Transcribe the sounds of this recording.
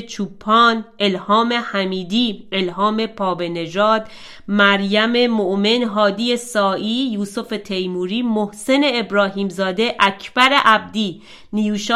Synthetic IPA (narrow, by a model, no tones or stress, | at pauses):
t͡ʃʰuːpʰːɒːnʔe̞lhɒːme̞hæmiːd̪iːe̞lɦɒːme̞pʰɒːbe̞ne̞d͡ʒɒːd̪ | mæɾjæme̞moʔme̞nɦɒːd̪ije̞sɒːʔiːjuːso̞fe̞t̪ʰe̞jmuːɾiːmohse̞ne̞ːbɾɒːɦiːmzɒːd̪e̞ʔæcʰb̥æɾe̞ʔæb̚d̪iː | nijuːʃ